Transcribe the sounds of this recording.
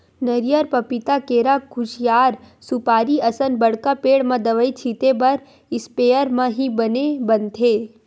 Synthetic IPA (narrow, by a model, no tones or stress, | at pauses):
nɐɾijəɾpɐpɪt̪akeːɾaɡʰʱʊʃjaːɾ | sʊpaːɾiɐsənbɐɽkapeːɽmãd̪ɐʋəit͡ʃʰiːt̪ebɐɾ | ɪspeːjəɾmãɦibɐnebɐnt̪ʰeː